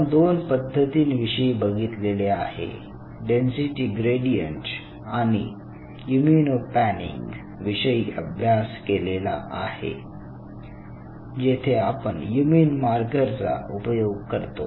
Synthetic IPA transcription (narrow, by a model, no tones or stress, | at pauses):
d̪onpəd̪ʱːət̪iːnʋiʂəibəɡʱit̪leleahḛ | ɖensiʈiɡɾeɽijəɳʈs | añḭ | juminopænḭŋɡ | ʋiʂəjiəbʱjaskelela̰ʔahḛ | d͡ʑet̪ʰeapəɳjumiːnmaɾɡəɾt͡sa̰upəjoɡ̚kəɾt̪o̰